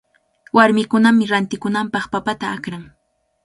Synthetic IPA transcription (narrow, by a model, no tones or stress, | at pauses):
waɾmɪkʊnamɪɾant̪ɪkʊnampɑχpapat̪aakɾaŋ